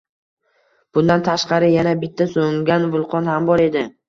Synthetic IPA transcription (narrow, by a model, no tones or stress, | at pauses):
b̥ʊnd̪ant̪ʰaʃqɑɾɪjanabɪt̪ʰːasoŋɡʲanvʊlˠqʰɒnhambɒɾe̞d̪ɪ